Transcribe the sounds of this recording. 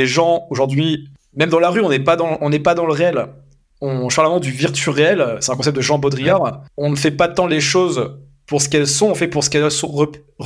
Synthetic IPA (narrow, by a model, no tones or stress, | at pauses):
eʒɑ̃oʒuʁd̪ɥi | mɛmd̪ɑ̃laʁyɔ̃nɛpad̪ɑ̃ɔ̃nɛpad̪ɑ̃ləʁeɛl | ɔ̃ʒəpaʁləʁmɑ̃d̪yviʁt̪ɥyʁeɛlsɛt̪ɛ̃kɔ̃s̬ɛp̚t̪̚d̪əʒɑ̃bɔd̪ʁijaʁɔ̃nəfɛpat̪ɑ̃leʃoz | puʁsə̥kɛlsɔ̃ɔ̃fɛpuʁsə̥kɛlsɔ̃ʁə | ʁ